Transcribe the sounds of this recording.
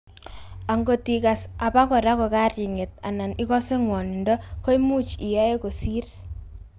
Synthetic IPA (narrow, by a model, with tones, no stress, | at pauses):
a˨ŋɡo˨ti˨ka˨sa˨pa˦ko˨ɾa˦ko˨ka˦rji˨ŋe˨t̚a̰˨na˨ni˦kɔ˦se˦ŋwɔ˨ni˨ndɔ˦ko˦jmu˦t͡ʃi˨ja˦e˦ko˨si˦r